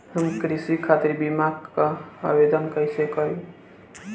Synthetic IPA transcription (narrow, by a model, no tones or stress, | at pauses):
ɦəmkɾisikʰat̪iɾbimaɡkaa̰bed̪ənkəjsekəɾi